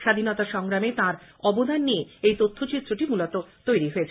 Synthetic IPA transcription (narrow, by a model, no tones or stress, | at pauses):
ʃad̪ʱinɔt̪aʃɔŋɾamet̪ãɾɔbod̪ʱanːieejt̪ot̪ʰːot͡ɕit̪ːɾoʈimulot̪ot̪ojɾiɦoet͡ɕʰ